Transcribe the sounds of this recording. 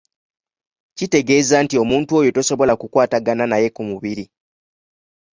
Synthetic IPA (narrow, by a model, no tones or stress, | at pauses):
cite̞ɡe̞ːzantio̞muːntuo̞jo̞to̞so̞βo̞lakukwaːtaɡananaje̞kumuβiɾi